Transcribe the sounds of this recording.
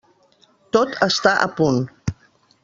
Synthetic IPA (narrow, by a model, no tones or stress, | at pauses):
t̪ot̪ʰəst̪aʔəpun